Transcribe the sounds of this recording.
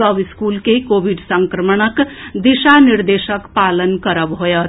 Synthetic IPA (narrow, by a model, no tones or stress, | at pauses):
əbiskulkekobʱiɖsəŋkɾəməɳ̃əkd̪iʃaniɾd̪eʃəkpalənkəɾəbɦojət̪